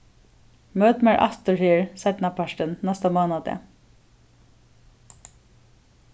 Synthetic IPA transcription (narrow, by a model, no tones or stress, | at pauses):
møːt̪mæɹʔɑ̰st̪əɹhiːɹsɛt̪nɑpʰɑʃʈənnɛst̪ɑmɑːnɑd̪ɛ̰